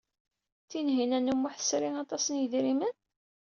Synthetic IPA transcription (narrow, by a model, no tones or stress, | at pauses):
θinɦinænumːʊħθə̥sɾiŋɑt̪ˤɑsənjəðɾimən